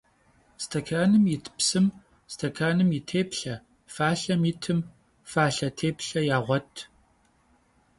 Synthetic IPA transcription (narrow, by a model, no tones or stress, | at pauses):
stʰɐkʰaːnɨmjɪtʰpsɨm | stʰɐkʰaːnɨmjitʰeːpɬɐ | faːɬɐmjiɪtʰɨm | faːɬɐtʰeːpɬɐjaːʁʷɔtʰ